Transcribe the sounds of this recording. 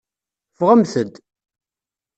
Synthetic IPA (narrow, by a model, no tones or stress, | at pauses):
fʁəmθəd̪